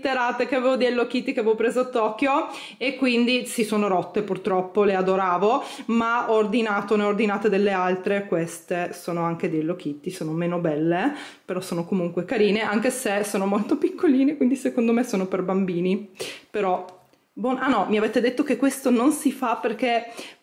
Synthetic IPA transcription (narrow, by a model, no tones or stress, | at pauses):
t̪ːeɾaːt̪ekeaveːvod̪iɛlːok̟it̪ːikevɔpɾeːzoat̪ːɔkːjo | ekːwind̪isisoːnoɾɔt̪ːepurt̪ɾɔpːolead̪oɾaːvomaɔrd̪inaːt̪oneord̪inaːt̪ed̪elːealt̪ɾekwest̪esoːnoaŋk̟ed̪eelːok̟it̪ːisoːnomeːnobɛlːe | peɾɔsːoːnokomuŋkwekaɾiːneʔaŋkesesoːnomolt̪opikːoliːnekwind̪isekond̪omesoːnoperbambiːnipeɾɔ | bɔnanːɔmiaveːt̪ːed̪et̪ːokekːwest̪ononsifaperke